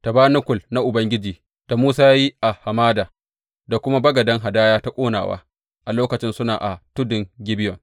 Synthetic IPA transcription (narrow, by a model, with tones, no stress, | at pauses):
ta˨baː˦nʊ˦kʷʊ˨lna˦ʔʊ˨bɐ˦ŋɡʲɪ˦d͡ʒiː˨ | d̥a˨muː˦saː˦ja˦ji˦ʔa˨ha˨maː˦daː˨ | da˨kʷʊ˦ma˦bɐ˦ɡɐ˨dɐ˦ŋɦa˨daː˦jaː˦ta˦kʷʼoː˦na̰ː˨wa̰ː˦ | ʔa˨loː˦kɐ˨t͡ʃɪ˦nsʊ˦na̰ː˨ʔa˨tʊ˦dɪ˨ŋɡʲɪ˦bɪ˦jɔ˨ŋ